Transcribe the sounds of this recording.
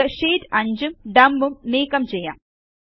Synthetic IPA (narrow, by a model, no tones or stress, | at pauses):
ɨʂiːtɐɲd͡ʑumɖɐmbumniːkːɐmt͡ɕejːa̰ːm